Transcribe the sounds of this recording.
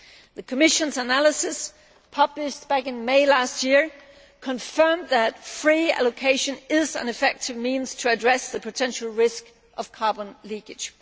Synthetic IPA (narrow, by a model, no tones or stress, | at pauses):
ðɨkʰəmɪʃə̃nzənælˠəsɨs | pʰʌblɪʃt̚b̥ækɨ̃nmeɪlæst̚jɪɹ | kʰə̃ɱfɜ̃˞mðɨtfɹiæ̰lˠokʰeɪʃɨ̃nɪzə̰̃nɨfɛk̚tʰɨvmĩnz̥tʰɨːdɹɛsðɨpʰɨtʰɛ̃nʃl̩ˠɹɪsk | ʔʌv̥kʰɑɹbə̃nlikɨd̥ʒ̥